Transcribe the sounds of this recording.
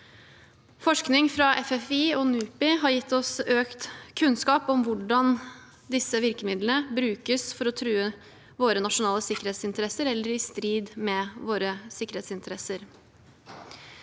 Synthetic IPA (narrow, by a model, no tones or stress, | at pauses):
fɔʂknɪŋfɾɑʔɛfɛfiːɔnʉːpɪɦɑɾjɪt̪ʰːɔsøːkt̪kʰʉnskɑːpɔmʋʊɖɑn | d̪ɪsəʋɪɾkəmɪd̪lnəbɾʉːkəsfɔɾɔt̪ʰɾʉːə | ʋoːɾənɑʂʊnɑːləsɪkəɾheːt̪sɪnt̪əɾɛsəɾɛlːəɾɪst̪ɾiːd̪mɛʋoːɾəsɪkːəɾeːt̪sɪnt̪əɾɛsəɾ